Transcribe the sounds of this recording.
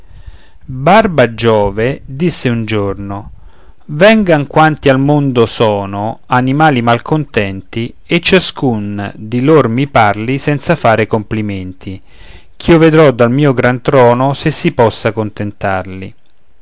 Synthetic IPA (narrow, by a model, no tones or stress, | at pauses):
barbad͡ʒɔːved̪isːeund͡ʒorno | vɛŋɡaŋkwant̪ialmond̪osɔːnoanimaːlimalkont̪ɛnt̪i | et͡ʃːaskund̪ilormiparlisɛnt̪safaːɾɪkompliment̪ʰi | k̟iːoved̪ɾɔd̪ːalmiːoɡɾant̪ɾɔːnosesːipɔsːakont̪ent̪arli